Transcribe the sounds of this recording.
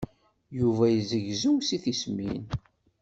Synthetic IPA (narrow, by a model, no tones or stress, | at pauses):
juvæjəzəʝzuwsiθismin